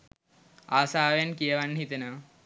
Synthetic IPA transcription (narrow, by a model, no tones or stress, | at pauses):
aːsaːʋejankijəʋanːɦit̪enəʋ